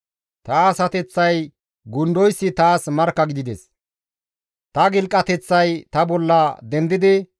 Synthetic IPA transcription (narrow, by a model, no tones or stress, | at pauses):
t̪ɐːsɐt̪ɛt͡sːɐj | ɡʊnd̪ɔjsːɪt̪aːsmɐɾkːɐɡɪd̪ɪd̪ɛs | t̪ɐɡɪlkʼːɐt̪ɛt͡sːɐjt̪ɐbɔlːɐd̪ɛnd̪ɪd̪ɪ